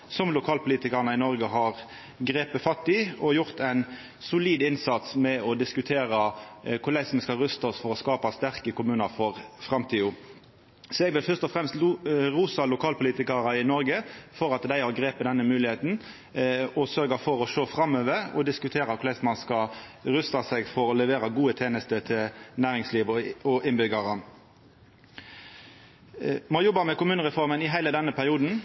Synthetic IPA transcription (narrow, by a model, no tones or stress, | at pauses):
sɔmlʊkʰɑːlpʰʊliːt̪ɪkəʁnəɪnɔɾɡəɦɑʁ | ɡɾeːpəfɑt̪ːɪɔjʊʁt̪ʰæɪn | sʊliːd̪ɪnsɑt̪smɛɔd̪ɪskʉt̪ʰeːɾɑkʰʊlæɪsməskɑʁʉst̪ɔsfɔɾɔskɑːpɑst̪æʁkəkʊmʉːnəɾfɔʁfʁɑmt̪ʰiːʊ | sɔɛɡʋɪlfœʁst̪ɔfɾɛmst̪ɾuːsɑlʊkʰɑːlpʰʊliːt̪ɪkəʁɑɪnɔɾɡəfɔɾɑt̪d̪æɪɑʁɡɾeːpəd̪ɛnːəmʉːlɪheːt̪n̩ | ɔsœɾɡəfɔɾɔʂoːfɾɑmːøːʋəɾɔ̰d̪ɪskʉt̪ʰeːɾɑkʰʊlɛsmɑnskɑ | ɾʉst̪ɑsɛɡfɔɾɔlɛʋeːɾɑɡuːət̪ʰeːnəst̪ət̪ʰɪlnæːɾɪŋsliːʋɔɪnbʏɡɑɾə | moːjɔbɑmɛkʊmʉːnəʁɛfɔɾmənɪɦæɪləd̪ɛnːəpʰæʁɪuːd̪n̩